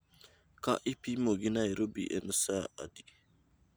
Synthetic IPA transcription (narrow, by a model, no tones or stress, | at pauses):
ka̰ʔipimoɡinaiɾobḭʔḛnəsaa̰di